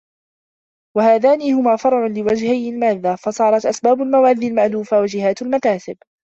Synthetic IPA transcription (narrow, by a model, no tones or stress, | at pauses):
wahaːðaːnihʊmaːfɑɾˤʕʊnlɪwad͡ʒhajɪlmaːðːafɑsˤɑːɾˤɑt̪ʔasbaːbʊlmawaːðːiːlmaʕluːfawad͡ʒɪhaːt̪ʊlmakaːsɪb